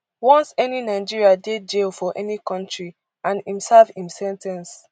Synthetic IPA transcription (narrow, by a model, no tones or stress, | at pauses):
wɔ̃nsɛninaɪd͡ʒiɹiaded͡ʒelfɔʔɛnikɔ̃ntɹi | ãnĩmsɛlfĩmsɛ̃ntɛ̃ns